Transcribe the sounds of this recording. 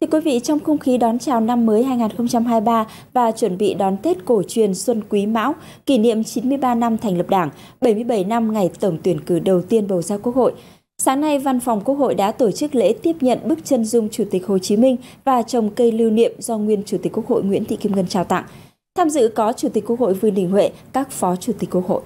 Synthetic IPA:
t̪ʰɨ˧əkwi˨˦vḭ˧˨t͡ɕɔ˧wŋ͡mxʊ˧ŋ͡mxi˨˦ɗɔ˨˦nt͡ɕaː˨˩wna˧mːəː˨˦jɦaː˧jŋaː˨˩nxə˧wŋ͡mt͡ɕa˧mɦaː˧jɓaː˧ | vaː˨˩t͡ɕwə˧˩nɓḭ˧˨ɗɔ˨˦nt̪e˦˥t̚ko˧˩t͡ɕwi˨˩ənswə˧nkwi˨˦ma̰ː˧˥w | ki˧˩nḭ˧˨əmt͡ɕi˨˦nmɨ˧əjɓaː˧na˧mt̪ʰa˨˩ŋ̟lə˨˩p̚ɗaː˧˩ŋɓə˧˩jmɨ˧əjɓə˧˩jna˧mŋa˨˩jt̪ə˧˩wŋ͡mt̪wi˧˩ənkɨ˧˩ɗə˨˩wt̪i˧ənɓə˨˩wzaː˧wku˦˥ək̚ho̰˧˨j | saː˨˦ŋna˧jva˧nfa˨˩wŋ͡mku˦˥ək̚ho̰˧˨jɗa̰ː˧˥t̪o˧˩t͡ɕɨ˦˥k̚lḛ˧˥t̪i˦˥əp̚ɲə̰˧˨nɓɨ˦˥k̚t͡ɕə˧nzʊ˧ŋ͡mt͡ɕu˧˩t̪i˨˩k̚ho˨˩t͡ɕi˨˦mï˧ŋ̟vaː˨˩t͡ɕə˨˩wŋ͡mkə˧jli˧wnḭ˧˨əmzɔ˧ŋwi˧ənt͡ɕu˧˩t̪i̟˨˩ku˦˥ək̚ho̰˧˨jŋw̰nt̪ḭ˧˨ki˧mŋə˧nt͡ɕaː˧˩wt̪a̰˧˨ŋ | t̪ʰaː˧mzɨ̰˧˨kɔ˨˦t͡ɕu˧˩t̪i˨˩ku˦˥ək̚ho̰˧˨jvɨ˨˩əŋɗï˨˩ŋ̟hwḛ˧˨kaː˦˥k̚fɔ˨˦t͡ɕu˧˩t̪i̟˨˩kːu˥ək̚ho̰˧˨ʔ

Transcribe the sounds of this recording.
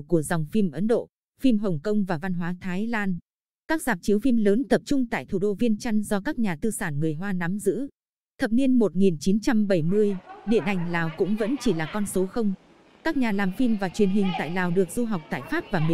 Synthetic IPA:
ku˧˩əza˨˩wŋ͡mfi˧mʔə˨˦nɗo̰˧˨ | fi˧mɦə˨˩wŋ͡mkə˧wŋ͡mvaː˨˩va˧nɦwaː˨˦t̪ʰaː˨˦jlaː˧n | kaː˦˥k̚zaː˨˩p̚t͡ɕi˨˦əwfi˧mləː˨˦nt̪ə˨˩p̚t͡ɕʊ˧ŋ͡mt̪a̰ː˧˨jt̪ʰu˧˩ɗo˧vi˧ənt͡ɕa˧jŋzɔ˧kaː˦˥k̚ɲaː˨˩t̪ɨ˧saː˧˩nŋɨ˨˩əjɦwaː˧na˨˦mzɨ̰˧˥ | t̪ʰə˨˩p̚ni˧ənmo˨˩t̚ŋi˨˩nt͡ɕi˨˦nt͡ɕa˧mɓə˧˩jmɨ˧əjɗḭ˧˨ənʔa˨˩jŋ̟laː˨˩wkʊ̰˧˥ŋ͡mvə̰˧˥nt͡ɕi˧˩laː˨˩kɔ˧nso˨˦xə˧wŋ͡m | kaː˦˥k̚ɲaː˨˩laː˨˩mfi˧mvaː˨˩t͡ɕwi˨˩ənɦï˨˩ŋ̟t̪a̰ː˧˨jlaː˨˩wɗɨ˨˩ək̚zu˧ɦa˨˩wk͡p̚t̪a̰ː˧˨jfaː˦˥p̚vaː˨˩mi˧

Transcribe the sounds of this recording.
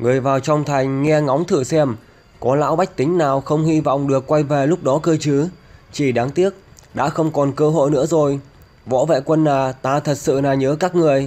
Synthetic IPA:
ŋɨ˨˩əjvaː˨˩wt͡ɕɔ˧wŋ͡mt̪ʰa˨˩jŋ̟ŋɛ˧ŋɔ˨˦wŋ͡mt̪ʰɨ˧˩sɛ˧m | kɔ˨˦la̰ː˧˥wɓa˦˥k̟̚t̪ï˨˦ŋ̟naː˨˩wxə˧wŋ͡mhi˧vɔ̰˧˨wŋ͡mɗɨ˨˩əkːwa˧jve˨˩lʊ˦˥k͡p̚ɗɔ˨˦kəː˧t͡ɕɨ˨˦t͡ɕi˧˩ɗaː˨˦ŋt̪i˦˥ət̚ɗa̰ː˧˥xə˧wŋ͡mkɔ˨˩nkəː˧ɦo̰˧˨jnɨ̰˧˥əzo˨˩j | vɔ̰˧˥vḛ˧˨kwə˧nːaː˨˩t̪aː˧˩t̪ʰə˨˩t̚sɨ̰˧˨naː˨˩ɲəː˨˦kaː˦˥k̚ŋɨ˨˩əj

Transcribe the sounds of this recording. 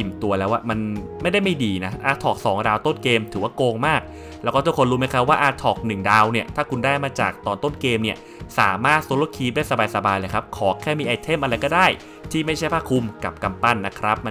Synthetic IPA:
i˨˩mt̪u˧ɐlɛː˦˥wʔa˧˩ma˧n | ma˥˩jda˥˩jma˥˩jdiː˧na˦˥ʔaː˧˩t̪ʰɔː˨˩k̚sɔː˩˦ŋdaː˧wt̪o˥˩nkeː˧mt̪ʰɯː˩˦waː˥˩koː˧ŋmaː˥˩k̚ | lɛː˧˦˥wkɔː˥˩t̪u˥˩kʰo˧nɾuː˦˥ma˥˩jkʰɾa˦˥p̚waː˥˩ʔaː˧t̪ʰɔː˨˩k̚nɯ˨˩ŋdaː˧wni˥˩ɐt̪ʰaː˥˩kʰu˧ndaː˥˩jmaː˧t͡ɕa̰ː˨˩k̚t̪ɔː˧nt̪o˥˩nkeː˧mni˥˩ɐ | sa̰ː˩˦maː˥˩t̪̚soː˧˥loː˧˥˩kʰiː˧daː˥˩jsa˧baː˧jsa˧baː˧jlɤː˧jkʰa˦˥p̚kʰɔː˩˦kʰɛː˥˩miː˧ʔa˧jt̪ʰe˥˩mʔa˧ɾa˧jkɔː˥˩daː˥˩j | t̪ʰiː˥˩ma˥˩jt͡ɕʰa˥˩jpʰaː˥˩kʰu˧mka˨˩p̚ka˧mpa˥˩nːa˦˥kʰɾa˦˥p̚a˧

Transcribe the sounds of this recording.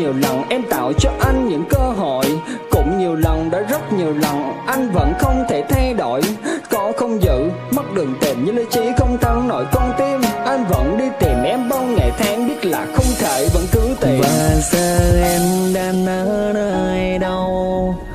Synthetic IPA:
i˨˩əwlɔ˨˩wŋ͡mʔɛ˧mt̪a̰ː˧˨wt͡ɕɔ˧ʔa˧jŋ̟ɲɨ̰˧˥ŋkəː˧ɦo̰˧˨jkʊ̰˧˥ŋ͡mɲi˨˩əwla˨˩wŋ͡mɗa̰ː˧˥zə˦˥t̚ɲi˨˩əwla˨˩wŋ͡mʔa˧jŋ̟və̰˧˥nxə˧wŋ͡mt̪ʰe˧˩t̪ʰa˧jɗo̰˧˨jkɔ˨˧˦xə˧wŋ͡mzɨ̰˧˨ | mə˦˥t̚ɗɨ˨˩əŋt̪i˨˩mɲɨ˧lə˧˦t͡ɕi˨˦xə˧wŋ͡mt̪ʰa˨˦nnɔ˧˦jkɔ˧nt̪i˧mʔa˧jŋ̟və̰˧˥nɗi˧t̪i˨˩mʔɛ˧mɓa˧wŋa̰˧˨˩jt̪ʰaː˨˦ŋɓi˦˥ət̚la̰ː˨˩xə˧wŋ͡mt̪ʰe˧˩və̰˧˥nkɨ˨˦t̪i˨˩vaː˨˩səː˧ʔɛ˧mɗaː˧nnəː˧˦nəː˧jɗə˧w

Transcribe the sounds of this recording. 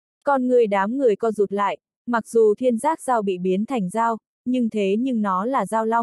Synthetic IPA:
kɔ˧nŋɨ˨˩əjɗaː˨˦mŋɨ˨˩əjkɔ˨˦zu˨˩t̚la̰ː˧˨j | ma˨˩k̚zu˨˩t̪ʰi˧ənzaː˦˥k̚zaː˧wɓḭ˧˨ɓi˨˦ənt̪ʰa˨˩jŋ̟zaː˧w | ɲɨ˧ŋt̪ʰe˨˦ɲɨ˧ŋnɔ˨˦laː˨˩zaː˧wla˧wŋ͡m

